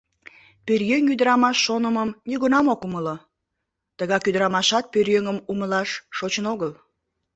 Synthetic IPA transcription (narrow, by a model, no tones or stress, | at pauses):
pørjøŋyd̪əɾɑmɑʃːonəməmniɣunɑmokuməlo | t̪əɣɑkyd̪əɾɑmɑʃɑt̪̚pørjøŋəmuməlɑʃːot͡ɕənoɣəl